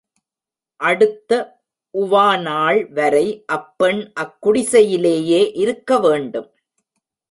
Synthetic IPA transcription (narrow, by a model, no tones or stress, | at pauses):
ʔɐɽɯt̪ːɐ | ʔʊʋaːnaːɭʋɐɾɐɪʔɐpːɛɳʔɐkːʊɽɪsɐjɪleːjeːʔɪɾɯkːɐʋeːɳɖɯm